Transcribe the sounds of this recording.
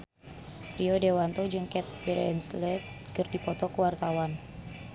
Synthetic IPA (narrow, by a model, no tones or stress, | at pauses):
pɾiɔdewant̪ɔd͡ʒɨŋkɛt̪̚bɛɾɛɛnslɛt̪̚ | kɨrdipɔt̪ɔkuwart̪awan